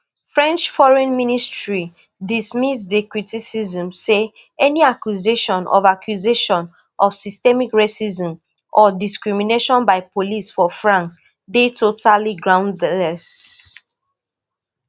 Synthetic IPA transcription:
fɹɛ̃nt͡ʃfɔɹɛ̃nministɹi | dismisdəkɹitʰisizə̃mse | ɛniakjuzeʃɔ̃nɔ̰vakʰjuzeʃɔ̃n | ʔɔfsistɛmikɹesizɔ̃m | ʔɔdiskɹimineʃɔ̃nbaɪpʰolisfɔfɹãns | detʰotʰaliɡɹãʊ̃ndlɛs

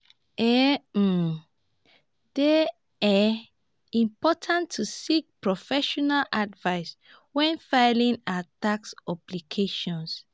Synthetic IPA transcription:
ɛ | de | ɛ | ĩmpɔtʰãntʰːusik̚pɹɔfɛʃɔnaladvaɪs | wɛ̃nfaɪlĩnataksɔplikʰeʃɔ̃ns

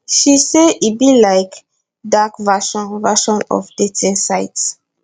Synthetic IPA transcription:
ʃiseibilaɪk | dakvaʃɔ̃nvaʃɔ̃nɔ̰fd̥etĩnsaɪts

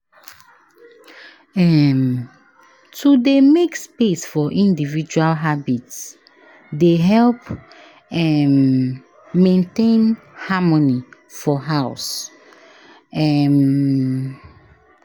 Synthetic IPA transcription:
ɛm | tʰudemekspesfɔʔĩndivid͡ʒualɦabits | deɦɛlp | ɛm | mẽntẽn | hamɔni | fɔɦaʊs | ɛm

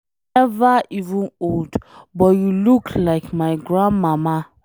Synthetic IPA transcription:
ɛvəivə̃noldbɔtjulukʰlaɪkmaɪɡɹãnmama

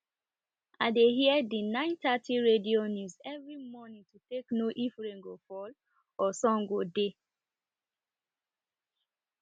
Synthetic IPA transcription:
adeɦiɛdinãɪ̃ntatiɹedionjuzɛvɹimɔnĩtuteknoʔifɹẽŋɡofɔl | ɔsɔ̃ŋɡode

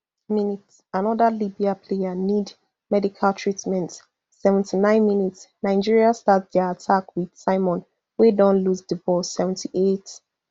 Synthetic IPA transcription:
minitsanɔðəlibiapʰlejanid | mɛdikʰaltʰɹitmɛ̃nt | sɛvɛ̃ntʰinãɪ̃nminitsnaɪd͡ʒiɹiastatðɛəatʰakwið̥saɪmɔ̃n | wedɔ̃nlusdivɔsːɛvɛ̃n̩tʰiʔet

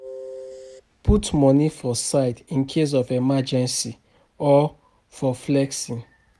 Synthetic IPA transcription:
pʰutmɔnifɔsaɪtĩnkʰes̬ɔvemad͡ʒɛ̃nsi | ɔ | fɔflɛksĩn

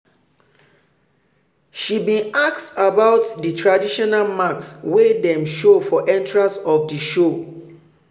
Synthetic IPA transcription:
ʃibĩnaktabaʊtditʰɹadiʃɔnalmakswedɛ̃mʃofɔʔɛ̃ntɹasɔfdiʃo

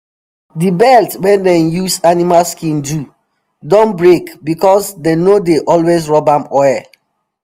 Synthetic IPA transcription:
dibɛltwɛ̃ndɛ̃njusanimalskĩndu | dɔ̃nbɹekbikɔsdenodeʔɔlwesɹɔbãmɔjɛ

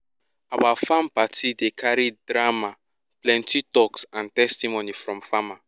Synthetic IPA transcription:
abafãmpatʰidekʰaɾidɾama | plɛ̃ntitɔksãntɛstimonifɹɔ̃mfama

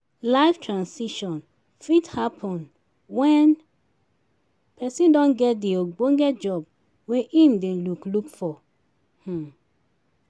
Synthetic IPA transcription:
laɪftʰɹãnsiʃɔ̃n | fithapʰɔ̃n | wɛ̃n | pʰɛsĩndɔ̃nɡɛt̚dioɡ͡bõŋɡɛtd͡ʒɔb̚ | weʔĩmdẽluklukfɔ | h̩

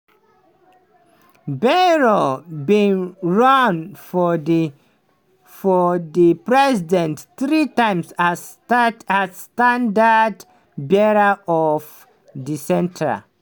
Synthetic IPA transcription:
bɛɹobĩnɹãnfɔd | fɔðipɹɛzidɛ̃ntθɹitãɪ̃msa | tazstãndad | bɛɹaɔv | disɛ̃ntʰə̰

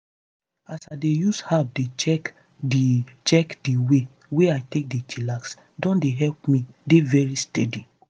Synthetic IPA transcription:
asaɪdejushap̚det͡ʃɛk | dit͡ʃɛkdiwe | weaɪtek̚det͡ʃilaks | dɔ̃ndeɦɛlpmidevɛɹistɛdi

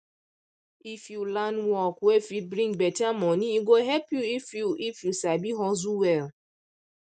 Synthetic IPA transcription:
ifjulanwɔkwefibɾĩŋbɛtamɔniiɡoɦɛpjuifjuifjusabiɦɔzuwɛl

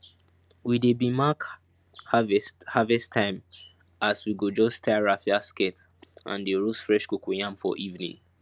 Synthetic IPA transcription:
widebimak | havhavɛstʰãɪ̃m | aswiɡod͡ʒɔstʰaɹafiasketã̰ndeɹosfɹɛʃkokujãmfɔ̰ʔivnḭ̃ŋ

